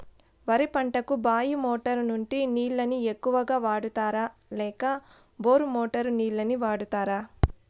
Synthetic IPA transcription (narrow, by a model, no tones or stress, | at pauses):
ʋɐɾipɐɳʈɐkubaːjimoːʈɐɾnuɳʈiniːɭːɐniekːuʋɐɡaːʋaːɽut̪aːɾaːlɛːkɐ | boːɾumoːʈɐɾniːɭːɐniʋaːɽut̪aːɾaː